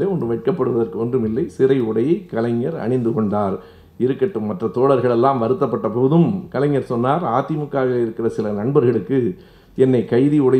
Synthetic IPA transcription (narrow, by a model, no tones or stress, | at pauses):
leːɔndrɯʋɛʈ̚kɐpːɐɽɯʋɐðɐrkɯɔndrɯmɪlːɐɪsɪɾɐɪʊɽɐjɐɪkːɐlɐŋːɐɾɐ̰ɳɪnd̪ɯkɔɳɖaːɾ | ɪɾɯkːɐʈːɯmːɐʈrɐt̪oːɽɐɾɣɐɭɛlːaːmʋɐɾɯt̪ːɐpːɐʈːɐpoːðɯmkɐlɐɲːɐɾsɔnːaːɾaːt̪ːɪmɯkːaːɣɐlɪɾɯkːɪrɐsɪlɐnɐɳbɐɾɣɐɭɯkːɯ | ɛnːɐɪkɐɪðiʊɽɐ